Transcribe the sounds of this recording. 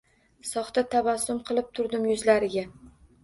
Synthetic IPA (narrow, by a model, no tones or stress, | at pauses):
sɒχt̪at̪ʰavasʊmqʰɨlˠɪp̚t̪ʰʊɾd̪ɪmjʊzlaɾɪɡʲa